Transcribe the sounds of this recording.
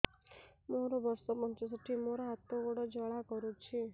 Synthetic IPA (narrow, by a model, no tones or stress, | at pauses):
moɾɔbɔɾsɔpɔnt͡ʃɔs̬ɔʈʰimoɾɔɦat̪ɔɡɔɽɔd͡ʒɔɭakɔɾut͡ʃʰi